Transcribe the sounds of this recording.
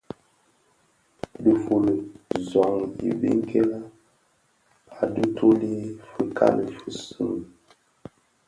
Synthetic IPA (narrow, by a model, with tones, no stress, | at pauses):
di˨fu˨lə˨zɔ˨ŋḭ˨vḭ˦ŋ˦kʰɛ˦la˦ | a˨du˦tʰo˦li˦fə˨kʰa̰˦nə˨fɨ˦˨sɨ˦m˨